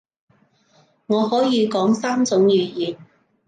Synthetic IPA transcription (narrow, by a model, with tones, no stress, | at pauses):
ŋɔː˨˧hɔː˨˥jiː˨˧kɔː˨˥ŋsaː˥mt͡sʊ˨˥ŋjyː˨˧jiː˨n